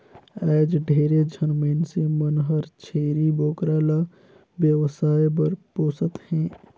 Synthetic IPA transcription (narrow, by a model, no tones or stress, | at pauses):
ɛːd͡ʒɖʱeːɾed͡ʒʱənmeːnsemənɦəɾt͡ʃʰeːɾiboːkɾaːla | ʋjəwəsaːjbəɾpoːsət̪hɛ̃ː